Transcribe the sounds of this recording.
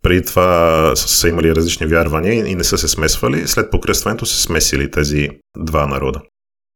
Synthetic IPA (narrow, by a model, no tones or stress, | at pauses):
pɾɛd̪it̪ovasəimɐliɾɐzlit͡ʃnivʲjaɾvɐniəiinɛsəsɛsmɛsvəlislɛt̪̚pokɾəsvɐnɛt̪osɛ̥smɛsilit̪ɛzi | d̪vanɐɾɔd̪ə